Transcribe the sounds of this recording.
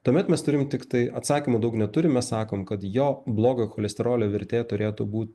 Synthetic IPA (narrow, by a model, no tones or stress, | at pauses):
t̪uɔmʲɛt̪mʲɛst̪ʊɾʲɪmt̪ʲɪkt̪ɐɪʔɐt̪sɑːkʲimuːd̪ɐʊknʲɛt̪ʊɾʲɪmʲɛssɑːkoːmkɐt̪joːblˠoːɡoxoːlʲɛsʲt̪ʲɛɾoːlʲoːʋʲɪɾʲt̪ʲeːt̪ʊɾʲeːt̪ubuːt̪